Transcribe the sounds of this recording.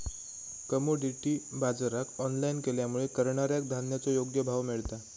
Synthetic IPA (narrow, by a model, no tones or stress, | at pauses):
kəmoɖiʈibad͡zɾakɔnlainkeljamuɭekəɾɳaɾjak̚d̪ʱanjat͡sɔjoɡjəbʱaʋmiɭt̪a